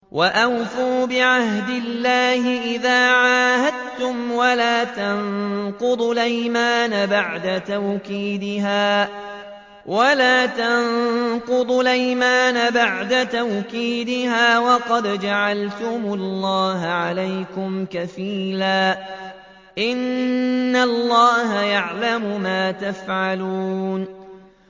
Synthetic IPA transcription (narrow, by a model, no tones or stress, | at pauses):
wʔaʔawfuːbɪʕahd̪ɪlːaːhɪʔɪðaːʕaːhad̪̚t̪ʊmwalaːt̪ɑnqʊd̪ˤlajmaːnabaʕd̪at̪awkiːd̪ɪɦaː | walaːt̪ɑnqʊd̪ˤʊlajmaːnabaʕd̪at̪awkiːd̪ɪɦaːwɑqɑd̪d͡ʒaʕalt̪ʊmʊlˤːɑːɦʕalajkʊmkafiːlaː | ʔɪnː | alːɑːɦajaʕlamʊmaːt̪afʕaluːn